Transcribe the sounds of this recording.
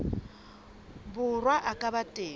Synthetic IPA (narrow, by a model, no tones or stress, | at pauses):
bʊrwaʔakʼabatʼeː